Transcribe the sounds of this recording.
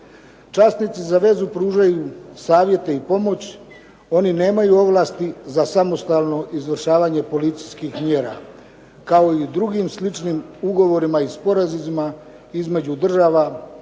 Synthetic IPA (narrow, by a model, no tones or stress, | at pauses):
t͡ʃast̪nit̪sizaʋe̞zupɾuːʒajusaːʋje̞t̪e̞ipo̞mo̞t͡ɕ | o̞nine̞ːmajuo̞ʋlast̪izasamo̞st̪alˠno̞ʔizʋr̩ʃaːʋaɲe̞po̞lit̪siskixmje̞ːɾa̰ | kao̞id̪ɾuɡimslit͡ʃnimuɡo̞ʋo̞ɾimaispo̞ɾazizima | izme̞d͡ʑud̪r̩ʒaːʋa